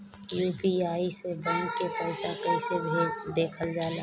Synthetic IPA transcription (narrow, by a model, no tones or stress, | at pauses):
juːpiaːisebənkepɛːsakɛɪsebʱed̪eːkʰəld͡ʒaːlaː